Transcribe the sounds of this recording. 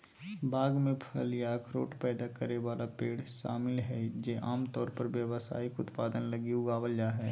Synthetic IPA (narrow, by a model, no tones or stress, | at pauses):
baːɡmẽpʰəlijakʰɾo̰ːʈpɛːd̪akəɾeʋaːlapeːɽʃa̰ːmɪlɦɛd͡ʒeːʔaːmt̪ɔːɾpəɾʋjəwsa̰ːɪkʊt̪paːd̪ənləɡiuɡaʋəljaɦɛː